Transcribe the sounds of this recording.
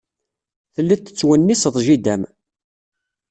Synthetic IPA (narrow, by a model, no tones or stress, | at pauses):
θəlːit̪ːə̥t͡sːwənːisəðˤʒid̪æm